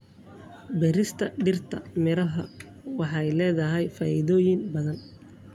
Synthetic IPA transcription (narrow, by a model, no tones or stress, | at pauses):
bɛɾɪst̪ʰɐɖɪrt̪ʰɐmɪɾɐɦɐ | wɑħɑjlɛːðɐɦɛjfaːʔɪðɔːjɪnbɐðɐn